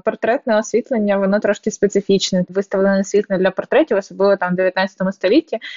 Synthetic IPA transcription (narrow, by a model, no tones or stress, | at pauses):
pɔrt̪ɾɛt̪nɛɔsʲʋʲit̪lˠenʲːɐʋɔnɔt̪ɾɔʃkʲɪspet̪sɪfʲit͡ʃnɛʋɪst̪ɐʋlˠenɛsʲʋʲit̪lɛd̪lʲɐpɔrt̪ɾɛtʲiwɔsɔblˠɪʋɔt̪amd̪eʋʲjɐt̪nat̪t͡sʲsʲɐt̪ɔmʊst̪ɔlʲitʲːi